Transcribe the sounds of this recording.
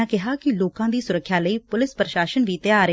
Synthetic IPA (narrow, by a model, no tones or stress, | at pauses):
ãːkɪɦaːkɪloːkãːd̪iːsʊɾəkʰːjaːləiːpʊlɪspɾəʃaːʃənʋiːt̪jaːɾ